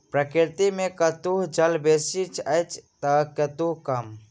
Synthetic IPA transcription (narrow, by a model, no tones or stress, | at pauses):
pɾəkiɾt̪imekət̪uɦd͡ʒəlbesit͡ʃʰəjt͡ʃʰt̪əkət̪uɦkəm